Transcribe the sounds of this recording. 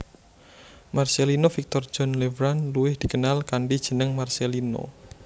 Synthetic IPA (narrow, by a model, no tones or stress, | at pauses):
marselinofik̚t̪ɔr̥d͡ʒ̥ɔnlevɾanluɪhd̪̥ikənalkaɳɖid̥ʒ̥ə̤nəŋmarselino̰